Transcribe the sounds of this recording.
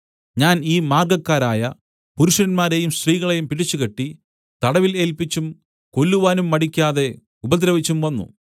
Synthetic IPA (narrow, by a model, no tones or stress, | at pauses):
ɲaːniːmaːrɡɐkːaːɾaːjɐ | puɾuʂɾɐnmaːɾe̞jumsriːɣɐɭejumpiɽit͡ɕːukeʈːi | t̪ɐɽɐʋile̞ːlpit͡ɕːum | ko̞lːuʋaːnumːɐɽikʲːaːðe̞ | ubɐd̪ɾɐʋit͡ɕːumʋɐnːṵ